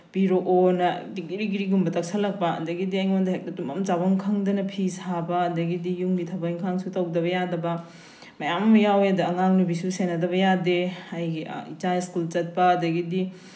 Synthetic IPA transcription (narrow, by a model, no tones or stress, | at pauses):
b̥iɾoʔonɐdiɡiɾiɡiɾiɡumbɐtɐk̚sʰɐlɐk̚pɐɐ̰dɐɡidiajŋmɐndɐɦek̚nɐtumɐmt͡ʃabɐŋkʰɐŋdɐnɐpʰisabɐːdɐɡidijuŋɡitʰɐbɐjŋkʰaŋsutɐwdɐβɐjadɐbɐ | mɐjamɐmɐjawjɐdɐɐŋaŋnubisusenɐdɐβɐjadeajɡḭit͡ʃaiskult͡ʃɐt̚pɐːdɐɡidi